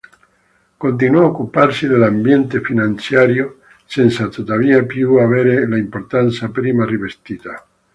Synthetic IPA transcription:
kont̪̬inwɔaokːuparsid̪elambjɛnt̪efinant̪sjaːɾjo | sɛnsat̪ot̪aviːapjuaveɾelaimport̪ant̪sapɾiːmarivest̪iːt̪a

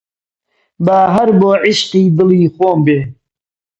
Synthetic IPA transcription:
baːɦɐɾboːʕɪʃqiːd̪ɨliːxoːmbeː

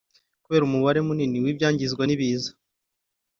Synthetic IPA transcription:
kuβe̞ːɾumuβaɾe̞muniniwibɟaːɲɟizɡwaniβiːzḁ

